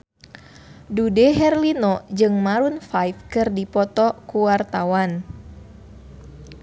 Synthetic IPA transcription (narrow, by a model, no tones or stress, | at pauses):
dudɛɦɛrlinɔd͡ʒɨŋmaɾunfajfkɨrdipɔt̪ɔkuwart̪awan